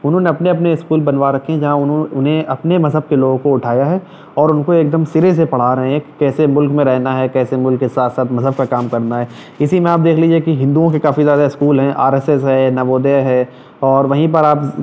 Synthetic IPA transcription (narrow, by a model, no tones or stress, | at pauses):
ʊnɦõːneɐpneɐp̬neɪskuːlbɐnʋaɾɐkʰːeɦɛ̃d͡ʒɐɦãʊñʊnɦẽʔɐpnemɐzɦəb̚keloːɡõkoʊʈʰaːjaɦɛː | ɔːɾʊnkoeːk̚d̪əmsɪɾes̬epɐɽ̤aɾɐɦẽɦɛ̃kɛːsemʊlkmẽɾɛɦnaɦɛːkɛːsemʊlkːesaːt̪saːt̪mɐzɦəb̚kakaːmkɐɾnaɦɛː | ɪsimẽaːp̚d̪eːkʰliːd͡ʒiekiɦɪ̃nd̪uõkekaːfizjaːd̪aɪskuːlɦɛ̃ʔa̰ːɾeːsɛsɦɛːnɐʋoːd̪eɦɛ | ɔːɾʋɐɦĩp̬ɐɾaːp